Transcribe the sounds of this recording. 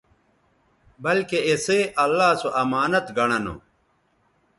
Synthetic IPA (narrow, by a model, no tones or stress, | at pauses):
bɐlkeeseːʔɐlːaːsoʔɐmaːnɐt̪ɡɐɽ̃ɐno̰